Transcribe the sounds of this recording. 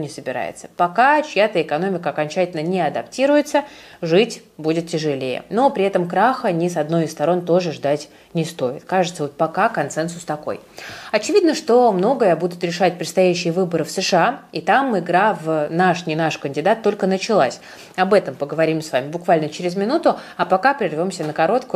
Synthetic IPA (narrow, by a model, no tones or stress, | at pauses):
nʲɪsəbʲɪɾa̰jɪ̰t̪sə̥pɐkat͡ɕjat̪əɪkɐno̞mʲɪkəɐkɐnʲt͡ɕætʲɪlʲnənʲɪɐd̪ɐptʲiɾʊjɪt̪səʐɨtʲbudʲɪt̪ʲtʲɪʐɨlʲejə̰nopɾʲɪɛt̪əmkɾaxənʲɪsɐd̪no̞jɪst̪ɐɾo̞nt̪o̞ʐɨʐd̪atʲ | nʲɪst̪o̞jɪ̰t̪kaʐɨt̪səvot̪̚pɐkakɐnt̪sɛnsʊst̪ɐko̞̰jɐt͡ɕɪvʲid̪nəʂt̪o̞mno̞ɡəjəbud̪ʊt̪ɾʲɪʂatʲpɾʲɪt̪st̪ɐjæɕːɪjəvɨbəɾɨfsɨʂɨait̪amɪɡɾavnaʂnʲɪnaʂkənʲdʲɪd̪at̪ːo̞lʲkənət͡ɕɪlˠa̰sʲ | ɐbɛt̪əmpəɡəvɐɾʲimsvamʲɪbʊkvalʲnət͡ɕɪɾʲɪzmʲɪnut̪ʊ | apɐkapɾʲɪrvʲo̞msʲənəkɐɾo̞t̪kʊ